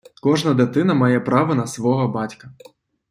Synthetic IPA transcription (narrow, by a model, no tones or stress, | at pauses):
kɔʐnɐd̪et̪ɪnɐmɑjɛpɾɑʋɐnɐsʋɔɦɔbɑtʲkɐ